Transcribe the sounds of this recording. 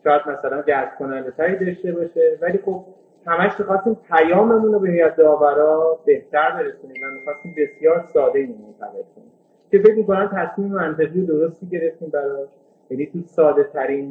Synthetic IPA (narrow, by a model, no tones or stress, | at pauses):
ʃɒːjæd̪mæsælænɡæsb̥̚kʰo̞nænd̪et̪ʰæɾiːd̪ɒʃt̪e̞bɒʃevæliːxo̞b̥̚ | hæmæʃmixɒst̪iːmpʰæjɒːme̞munobehjæd̪̚ːɒːvæɾɒːbe̞ht̪æɾbe̞ɾe̞suniːmvæmixɒst̪iːmbe̞sjɒːɾsɒːd̪eimmont̪ʰæ̰ɣelkʰonim | cʰe̞beɡuŋko̞næmt̪ʰæsmiːmemænt̪ʰe̞ʁijod̪o̞ɾost̪iːɟe̞ɾe̞ft̪iːmbæɾɒʃ | jæniːt̪ʰusɒːd̪e̞t̪ʰæɾin